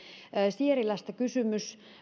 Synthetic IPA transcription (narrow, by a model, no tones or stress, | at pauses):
sieɾilɑst̪ɑkysymys